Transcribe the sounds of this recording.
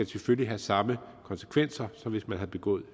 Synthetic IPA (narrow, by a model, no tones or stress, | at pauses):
æselføljiɦæsɑ̈məkʰɒ̽nsə̥kʰʋen̰sɐsɒ̽mʋe̝smænɦæðˠb̥e̝ɡ̥ɔ̰̽ːð̩ˠ